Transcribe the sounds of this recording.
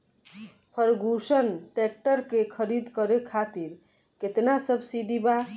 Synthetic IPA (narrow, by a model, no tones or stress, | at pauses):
pʰəɾɡʱusənʈɛk̚ʈəɾkekʰəɾid̪kəɾekʰat̪iɾ | ket̪nasəbʱsiɖiba